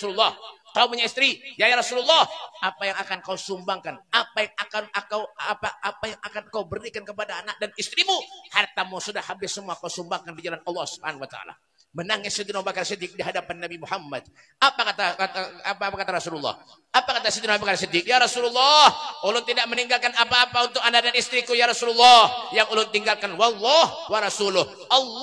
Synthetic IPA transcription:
sululːɑh | kaupuɲaist̪ɾijajaɾasululːɑhapajaŋakankausumbaŋkanapajaŋakanakawpaapajaŋakankaubəɾikankəpadaːnak̚danist̪ɾimuhaɾt̪amusudahhambɪsəmuakausumbaŋkandid͡ʒalanɑlːɑhsubha̰nuwat̪a̰a̰la̰ | mənaŋɪsːit̪inawbakaɾsid̪ɪk̚diɦadapanːabimuhamːa̰d̪̚ | apakat̪akat̪aaapakat̪aɾɔsululːɑ̰h | apakat̪asit̪inabakaɾsid̪ɪk̚jaɾɑsululːɑhulʊt̪ːidaʔməniŋɡalkanapaːpaunt̪ʊk̚anaʔdanist̪ɾikujaɾɑsululːɑhjaŋulʊt̪iŋɡalkanwalːɑhwaɾɑsulʊh | ʔɑlː

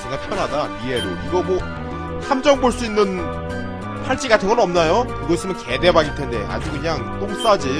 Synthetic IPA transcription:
seŋɡapʰjʌnɦadaiɦe̞ɾo̰iɡʌmwʌ | hamd͡ʑʌŋboɭs͈uinːɯn | pʰaɭt͡ɕ͈iɡatʰɯnŋɡʌnʌmnajokɯɡʌis͈ɯmʌnke̞de̞baɡiɭtʰe̞nde̞̰a̰d͡ʑiɡukɯɲaŋt͈oŋs͈ad͡ʑi

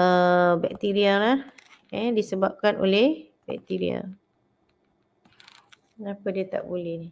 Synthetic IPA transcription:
əbɛ̰k̚t̪iɾialah | ɛdisəbap̚kano̰lɛh | bɛ̰k̚t̪iɾḭa̰r | ənapadiət̪a̰ʔbulɛhni

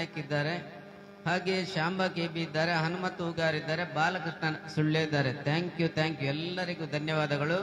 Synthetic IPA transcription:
jkid̪ːaːɾe̞ | haːɡeːʃaːmbɐkeːbiːd̪ːaːɾe̞ɦɐnumɐt̪ːuːɡaːɾid̪ːaːɾe̞baːlɐkiʂɳɐnsuɭːeːd̪ːaːɾet̪ʰaːŋkjut̪ʰaːŋkjuɛlːɐɾiɡud̪ʱɐnjɐʋaːd̪ɐɡɐɭu

